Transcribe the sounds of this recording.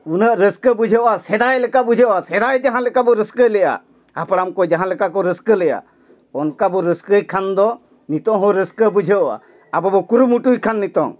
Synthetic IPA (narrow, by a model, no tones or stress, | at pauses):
unəʔɾəskəbud͡ʒʱəʔasɛd̪ajlɛkaʔbud͡ʒʱəasɛd̪ajd͡ʒaɦãlɛkabɔɾəskəjlɛja̰ | apɽamkɔd͡ʒaɦãlɛkakɔɾəskəlɛja̰ | ɔnkabɔɾəskəjkʰand̪ɔ | nit̪ɔ̃ŋɦɔ̃ɾəskəbud͡ʒʱəɔʔa̰ | abɔbɔkuɾumuʈujkʰanːit̪ɔ̰ŋ